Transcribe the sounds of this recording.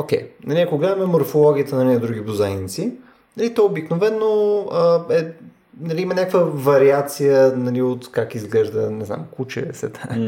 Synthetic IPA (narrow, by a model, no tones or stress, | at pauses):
ok̟ʲɛ̰jnɐliɐkoɡlɛd̪ɐmɛmoɾfolˠɔɡʲiət̪ənɐlʲinɐd̪ɾuɡ̟ʲibuzanit̪si | nɐlit̪ɔɛobiknovɛnːoəɛ | nɐlʲiimɐnʲakvəvɐɾiat̪sijənɐliot̪kakizɡlɛʒd̪ənɛzna̰mkut͡ʃɛ̰sɛ̰t̪a